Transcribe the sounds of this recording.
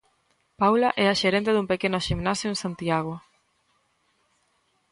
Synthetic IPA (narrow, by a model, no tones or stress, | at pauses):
pawlaʔɛaʃeɾẽnt̪eðumpekenʊʃimnasjoẽnsant̪iaɣ̞o